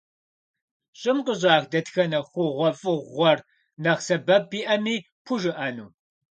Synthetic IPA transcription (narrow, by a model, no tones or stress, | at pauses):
ɕʼɪmqəʑaːxdɐtxɐnɐχʷʊʁʷɔfʼɨʁʷɔr | nɐʁsɐbɐbiːʔɐmiː | pʰʊʒɨʔɐnuː